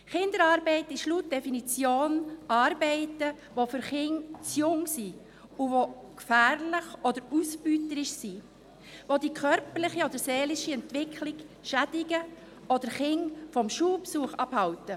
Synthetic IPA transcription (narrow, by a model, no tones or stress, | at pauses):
χɪnd̪əɾɑːɾbɛɪtɪʃlut̚d̥ɛfinit͡sjoːnʔɑːɾbɛɪtə | ʋofʏɾχɪŋt͡sjʊŋsi | uvokfæːɾlɪχɔdəɾusbytəɾɪʃsiː | vodikʰœɾpəɾlɪχiɔd̥̪əɾseːlɪʃiɛntʋɪkʰlɪɡʃædɪɡə | ɔdəχɪŋfɔmʃuːpsuəχɑb̥hɑwtə